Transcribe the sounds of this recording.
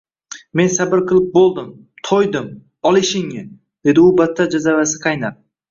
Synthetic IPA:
me̞nsabɪɾqɨlˠɪp̚bolˠd̪ɪm | t̪ʰojd̪ɪm | ɒlˠɪʃɪŋɪ | d̪̥e̞d̪ɪʊbat̪ʰːad͡ʒazavasɪ̥qʰɑjnap̚

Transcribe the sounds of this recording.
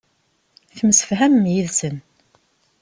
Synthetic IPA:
θəmsə̥fɦæməmjiðsən

